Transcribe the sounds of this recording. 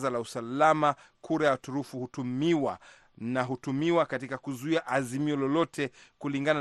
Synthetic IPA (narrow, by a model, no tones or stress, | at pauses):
zalausalama | kʰuɾajatuɾufuhutumiwa | naɦutumiwakatikakuzuiaʔazimiɔlɔlɔtʰɛkuliŋɡana